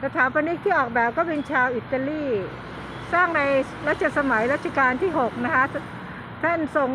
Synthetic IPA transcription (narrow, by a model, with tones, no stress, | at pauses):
ɾɛ˦˧˩t̪ʰaː˩˦wpa˧nːi˦˥t̪ʰiː˥˩ʔɔː˨˩k̚bɛː˨˩p̚kɔː˥˩pe˧nt͡ɕʰaː˧wʔi˨˩t̪ːa˧liː˥˩ | saː˥˩ŋna˧j | ɾa˦˥t̪̚t͡ɕʰa˨sa˧ma˩˦jɾa˦˥t̪̚t͡ɕʰa˧kaː˧nt̪ʰiː˥˩ɦo˨˩k̚na˦˥kʰa˦˥ | t̪ʰa˥˩nso˨˩ŋ